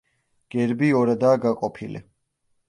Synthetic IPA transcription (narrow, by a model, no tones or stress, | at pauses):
ɡ̥ɛɾbiɔɾad̪aːɡaqʼɔpʰilḭ